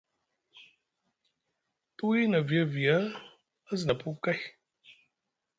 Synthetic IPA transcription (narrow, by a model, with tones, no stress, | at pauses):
tu˦wi˦na˨vi˨a˦vi˨a˦ | a˦zna˨pu˦ka˦j